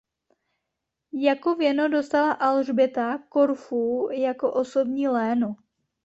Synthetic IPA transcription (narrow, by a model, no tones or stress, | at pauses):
jakovjɛno̞do̞st̪alaʔalʒbɪt̪ako̞ɾfujako̞ʔo̞so̞bɲiːlɛːno